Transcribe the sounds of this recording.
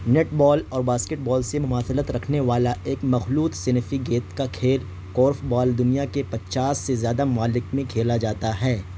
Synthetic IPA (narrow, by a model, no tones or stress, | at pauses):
neːʈbɔːlɔːɾbaːskeʈ̚bɔːlsemʊmaːsɪlət̪ɾɐkʰneʋaːlaʔeːkmɐxluːt̪sɪnɪfiɡeːt̪kakʰeːɾ | kɔːɾfbaːld̪ʊnijakepɐt͡ʃaːsːezjaːd̪amaːlɪkmẽkʰeːlad͡ʒaːt̪aɦɛː